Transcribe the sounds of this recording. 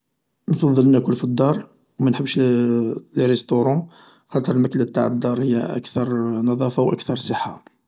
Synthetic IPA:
nfɑðˤːəlnækʊlfid̪ˤːɑɾˤ | wmænħəbːəʃ | lrɛst̪oɾˤɑ̃ | xɑt̪ˤəɾˤəlmæklːab̚t̪a̰ʕəd̪ˤːɑɾˤhəjːæ̰ʔæ̰kt̪ɑɾˤnɑðˤɑfawʔækt̪ɑɾˤsˤəħːa

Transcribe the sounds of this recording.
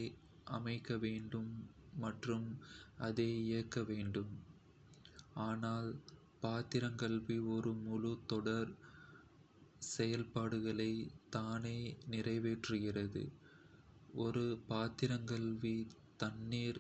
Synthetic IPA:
ɪ | ʔɐmɐɪkːɐʋeːɳɖɯmːɐʈrɯmɐðeːɪjɐkːɐʋeːɳɖɯm | aːnaːl | paːt̪ɪɾɐŋkɐɭʋiɔɾɯmʊɻʊt̪ɔɽɐɾ | sɛjɐlpaːɽɯɣɐɭɐɪt̪aːneːnɪrɐɪʋeːʈrɯɣɪrɐðɯ̰ | ɔɾɯpaːt̪ɪɾɐŋkɐɭʋit̪ɐnːiːɾ

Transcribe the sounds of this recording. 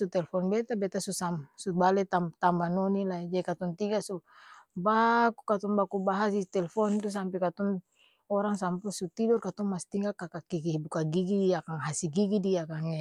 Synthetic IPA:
sut̪ɛlɛfɔnbɛt̪abɛt̪asusamsubalɛt̪amt̪ambanɔnilaid͡ʒadikat̪ɔnt̪iɡasubakukat̪ɔŋbakubaɦasit̪ɛlɛfɔnt̪us̬ampɛkat̪ɔn | ɔɾaŋs̬ampusut̪idɔrkat̪ɔŋmast̪iŋɡakakakikibukaɡiɡidiakaŋɦasiɡiɡidiakaŋa

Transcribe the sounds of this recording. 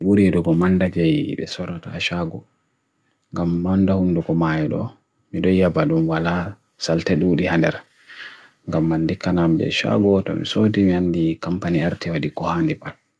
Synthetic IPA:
wuɾiɗuɡɔmandad͡ʒɛj̰ɓɛ̰sɔɾɔtaʃaɡɔ | ŋɡamːandahundukɔmajɛɗɔ̰ | miɗɔjabaɗumwala | saltɛɗuːɗihandɛ̰ɾ | ŋɡamːandikːanamiɓɛ̰ʃa̰ɡɔtɔ̰mḭsodimiandikampaniaɾtiwadikɔhandipal

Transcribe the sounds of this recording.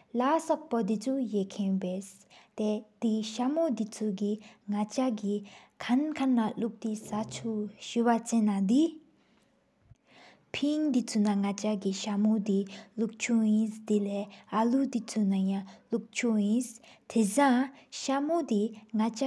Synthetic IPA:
lasɔk̚pɔd̪it͡sʰujekʰenpes | t̪ed̪̥iɕamod̪it͡sʰuɡiŋat͡ɕaɡi | kʰankʰanːaluk̚t̪isat͡sʰuɕywat͡senːad̪i | pʰiŋd̪it͡sʰunaŋat͡ɕaɡiɕamod̪iluk̚t͡ɕʰujinsd̪ileːʔalud̪it͡sʰunajaluk̚t͡ɕʰujinst̪ʰesaŋɕamod̪iŋat͡ɕa

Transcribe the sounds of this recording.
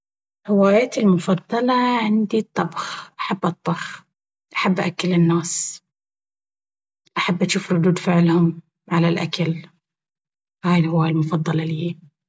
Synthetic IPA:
hɪwaːjaːt̪ɪlmʊfɑd̪ˤːɑlɑʕɪnd̪it̪ˤːɑbxʔaħabːʔɑt̪ˤːɑx | ʔaħabːʔaʔakːɪlɪnːaːs | ʔaħabːʔaʃuːfɾˤʊd̪uːd̪fɪʕlhʊm | ʕalalʔakal | haːjɪlhɪwaːjalmʊfɑd̪ˤːɑlɑlihi

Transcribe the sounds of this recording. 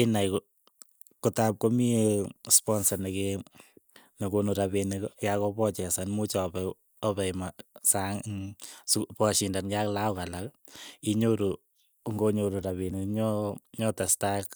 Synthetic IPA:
inajk | kutap̚komispɔnsaneke | nekonuɾaβenekjakɔpɔt͡ʃɛsanmut͡ʃɔpɛ | ɔpɛmasaŋspɔʃindanjaklaʊkalak | iɲoɾu | ŋɡoɲoɾuɾaβenekɲɔɲɔtastak

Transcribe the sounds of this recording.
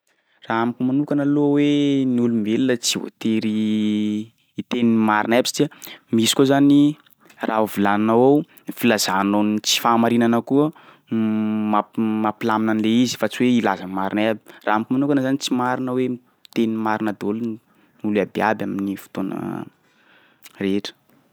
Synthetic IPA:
raamikumanukanəloweniulumivelilət͡sio̰t̪eɾi | t̪eniimaɾinabisḁt̪iəmisi̥kʲozani | rʔauvilannawaw | filazanonit͡si̥faːmaɾinanəkuə | mamapilaminanleizi̥fat͡siweilazəmaɾinabi̥ra̰ːamikimanukanazanit͡simaɾinəwe | t̪enimaɾinad̪olun | nulabia̰baminifu̥t̪onə̰ | reʈ͡ʂə̥

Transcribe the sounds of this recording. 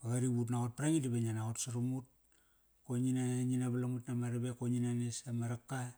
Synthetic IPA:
aɣaɾiβutnaot̚paɾaŋidiβeɲanaotsaɾumut̚ | koɲinaɲinaβalamutnamaɾaβekoɲinanesamaɾakːa

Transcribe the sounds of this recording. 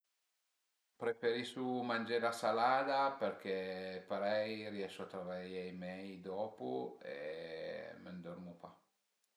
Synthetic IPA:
pɾefeɾisumand͡ʒeɾasalaːd̪apeɾk̟ɛpaɾɛjriɛʃuat̪ɾavaʎejmɛjd̪ɔpuḛ | mənd̪ɔɾmupa

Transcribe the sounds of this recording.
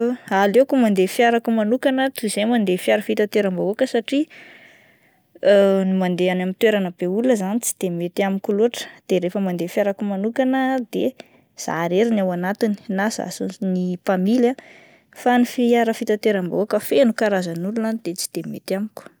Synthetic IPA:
alekumand̪efiaɾakumanukanət̪uzemand̪efiaɾəfit̪at̪eɾambaokəsaʈ͡ʂi | nimand̪eanamint̪weɾanəbeuləzanit͡si̥d̪̥emet̪iamikʲuloʈ͡ʂə̥d̪̥eɾefəmand̪efiaɾakumanukanəd̪e | z̥a̰ɾeɾinawanat̪ini̥naza̰sunipamila | fanifiaɾəfit̪at̪eɾamba̰akəfenukaɾazanulunanid̪et͡si̥d̪̥emet̪amikʲu̥

